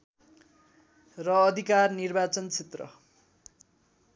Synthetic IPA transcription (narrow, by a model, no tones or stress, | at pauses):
rʌːd̪ʱikarnirbat͡sʌnt͡sʰet̪rʌ̰